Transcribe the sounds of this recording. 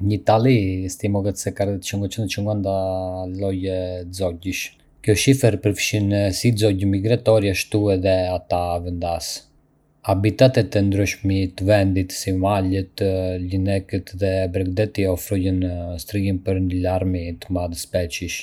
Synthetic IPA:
ɲəit̪alˠist̪imɔɡət̪sɛkaɾɛt̪t͡ʃuŋɡɔt͡ʃənət͡ʃuŋɡand̪alɔjɛzɔɟiʃ | kjɔʃifəɾpəɾfʃinsizɔɟəmiɡɾat̪ɔɾjaʃt̪uɛðɛat̪avɛnd̪as | abit̪at̪ɛt̪ɛnd̪ɾyʃmit̪vɛnd̪it̪simalət̪linɛkət̪ðɛbɾɛkd̪ɛt̪iɔfɾuɟənst̪ɾiinpəɾnəlaɾmit̪əmaðspɛt͡ʃiʃ

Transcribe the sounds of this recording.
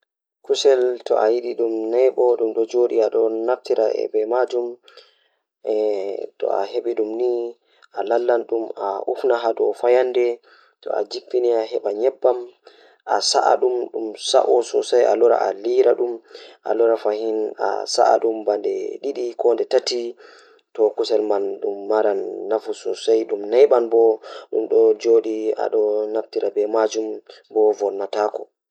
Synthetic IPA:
kusɛltɔ̰ʔajiɗiɗumnɛjɓɔɗumɗɔd͡ʒoɗiaɗɔnaftiɾaɛ̰bɛmad͡ʒum | ɛtɔ̰a̰ɦeɓiɗumni | ʔalalːanɗumaʔufnaɦadɔfajandɛ | tɔ̰a̰d͡ʒipːiniaɦɛɓaɲɛbːam | ʔasaʔaɗumɗumsa̰ʔɔsɔsajʔa̰lɔɾa̰ʔaliɾaɗumʔa̰lɔɾafahina̰sa̰ʔa̰ɗumbandɛ̰ɗiɗikɔndɛtati | tɔkusɛlmanɗumːaɾanːafusɔsajɗumnajɓanbɔɗumɗɔd͡ʒoɗia̰ɗɔnaftiɾabɛmad͡ʒum | bɔvɔɾnataːkɔ

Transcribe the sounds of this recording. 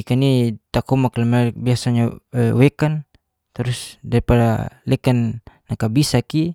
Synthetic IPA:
ikanit̪akumaklamabiasaɲaəwɛkan | t̪ɾusdaɾipada̰lɛkanː | akabisaki

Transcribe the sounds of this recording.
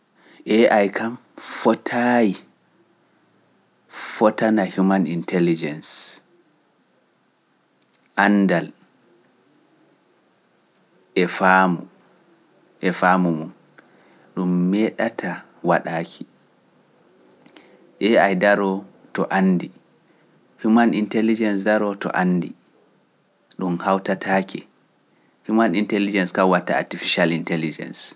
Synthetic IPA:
ʔɛʔajkʰam | fɔtʰaji | fɔtanahumanintɛlid͡ʒɛns | ʔandal | ʔɛfamu | ʔɛfaːmumɔn | ɗumːɛɗatʰa | waɗaːkʰi | ʔɛajdaɾɔ | tɔʔanːdi | fimanintɛlid͡ʒɛnsdaɾɔtɔ̰ʔanːdi | ɗumhawtatʰaːkʰɛ | fimanintɛlid͡ʒɛnskawatːaa̰tifiʃalintɛlid͡ʒɛ̰ns

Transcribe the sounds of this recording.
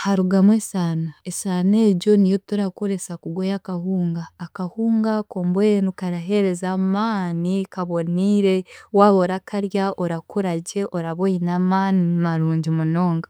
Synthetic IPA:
haɾuɡamwesaːnaesaneːɟo̞nijotuɾako̞ɾe̞sakuɡwojakahuːŋɡaːkahuːŋɡakoːmbenukaɾaɦe̞ɾe̞zaːmaːnikaβo̞niɾe̞waːβoɾakʰaɾjaoɾakuɾaɟe̞ʔo̞ɾaβojinamaːnimaɾuːɲɟimuno̞ːŋɡa

